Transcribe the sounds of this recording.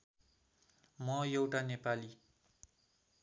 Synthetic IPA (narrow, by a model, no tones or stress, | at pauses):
mʌjewʈanepali